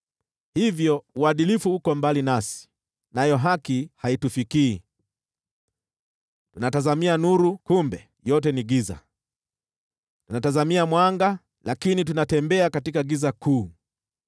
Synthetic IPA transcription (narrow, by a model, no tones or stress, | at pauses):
hivjɔuaɗilifuukɔmbalinasi̥ | najɔɦakihaitufikiː | tunatazamianuɾukumbɛ | jɔtɛniɡiza̰ | tunatazamiamwaŋɡa | lakinit̬unatɛmbɛakatikaɡizakʰuː